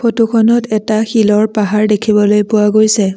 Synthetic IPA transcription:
pʰotukʰɔnɔtɛtaxilɔɹpaɦaɹdekʰibɔlojpʊwaɡojsɛ

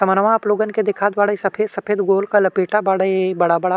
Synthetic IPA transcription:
sɐmənɐʋãɐploːɡənked̪ɪkʰaːd̪ʋaːɽəisɐpʰeːd̪sɐpʰeːd̪ɡoːlkalɐpeːʈabaːɽaebɐɽabɐɽa

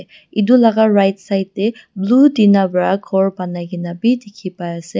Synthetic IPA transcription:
idulaɡaɹajtsajtːɛbludinabɹaɡʰɔɹbanajɡinabidekʰipajasɛ

